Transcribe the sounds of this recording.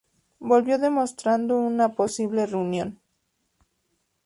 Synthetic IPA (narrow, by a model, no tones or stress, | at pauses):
bo̞lβjo̞ðe̞mo̞st̪ɾand̪ounapo̞siβle̞reunjo̞n